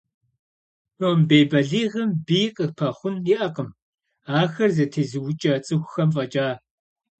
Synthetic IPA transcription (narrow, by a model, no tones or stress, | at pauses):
nombeːbɐɮiːʁɐmbiːqʼəpʰɐχʷʊniʔɐqəm | aːxɐrzɐtʰizɨwʊt͡ʃʼɐt͡sʼɨxʷxɐmfʼɐt͡ʃʼaː